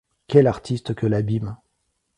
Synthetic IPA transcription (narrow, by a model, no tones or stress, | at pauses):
kʲɛlaʁt̪ʰist̪kʲəlabim